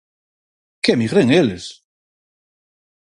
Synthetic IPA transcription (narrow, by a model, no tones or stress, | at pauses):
kɛmiɣɾeŋeles